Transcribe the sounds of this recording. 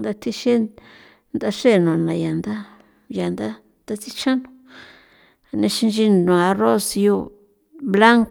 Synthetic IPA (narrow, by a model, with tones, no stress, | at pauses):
nd̪a˧t̪ʰi˦ʃe˦ | nd̪a˧ʂe˦˨nõ˨nã˨ja˨nd̪a˦ | ja˨nd̪a˦ | t̪a˧t͡si˦t͡ʃã˦nõ˧ | a˨nẽ˧ʃi˧nd͡ʒi˧nõ˨a˧ro˦sjo˧ | βla˦ŋk